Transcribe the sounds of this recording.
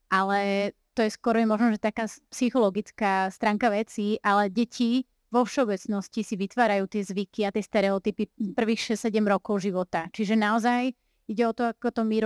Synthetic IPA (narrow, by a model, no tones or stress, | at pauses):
ʔalɛt̪ɔjɛskɔɾɔjɛmɔʒnɔʒɛt̪akaːspsixɔlɔɡit͡skast̪ɾaːŋkaʋɛt͡siʔalɛɟɛcʰi | ʋɔfʃɛɔbɛt͡snɔscisiʋit̪ʋaːɾajuːt̪ɪɛzʋikiat̪ɪɛst̪ɛɾɛɔt̪ipipr̩ʋiːxʃɛssɛɟɛmɾɔkɔʊʒiʋɔt̪at͡ʃiʒɛnaɔzaj | iɟɛɔt̪ɔakɔt̪ɔmiɾ